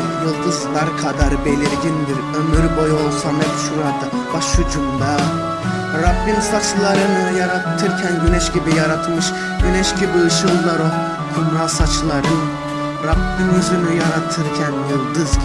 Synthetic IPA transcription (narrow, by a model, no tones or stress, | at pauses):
jɯlˠd̪ɯzlˠaɾkʰad̪aɾbelʲiɾɟind̪iɾømyɾbojo̞lˠsanɛpʃuɾad̪a | b̥aʃhud͡ʒumd̪a | ɾabːinsat͡ʃlˠaɾɯnɯjaɾat̪ʰːɯɾcʲʰænɟynɛʃɟibijaɾat̪ʰmɯʃ | ɟ̥ynɛʃɟibiɯʃɯlˠːaɾo | kʰumɾasat͡ʃlˠaɾɯn | ɾabːinyzynyjaɾat̪ʰɯɾcʰænjɯlˠd̪ɯzʲ